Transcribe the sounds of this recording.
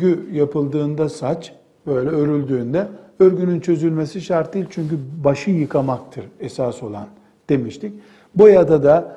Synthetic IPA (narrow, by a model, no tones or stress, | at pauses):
yjapʰɯlˠd̪ɯːnd̪asat͡ʃ | b̥ø̞jlʲɛøɾylʲd̪yːnd̪ɛøɾɟynynt͡ʃʰø̞zylʲme̞siʃaɾt̪̚d̪iːlʲt͡ʃʰyɲcybaʃɯjɯkʰamakt̪ʰɯɾɛsaso̞lˠa̰n | d̪̥e̞miʃt̪ʰic̚ | bojad̪ad̪a